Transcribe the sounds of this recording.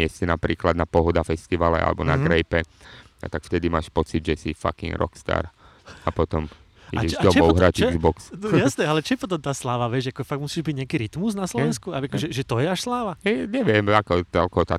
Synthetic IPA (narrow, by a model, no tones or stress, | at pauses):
ɪɛstinapɾiːklad̪napɔɦɔd̪afɛst̪iʋalɛ̰ʔa̰lɛ̰bɔna̰ɡɾɛjpɛa̰t̪akft̪ɛd̪imaːʃpɔt͡sid̪ʒɛsifa̰kḭŋɡɾɔ̰kst̪a̰ːɾ | apɔt̪ɔm | ḭɟɛd̪ɔmɔʊɦɾacɛɡzbɔksjasnɛːalɛt͡ʃɔjɛpɔt̪̬ɔmt̪aːslaːʋaʋɛʃjakɔɛfaɡ̚ktmusiːʒbiɟɲɛakiɾit̪mus̬naslɔʋɛnskuajakɔʒɛʒɛt̪ɔjɛaʃslaːʋaɲɛʋɪɛmakɔt͡sɛlkɔt̪a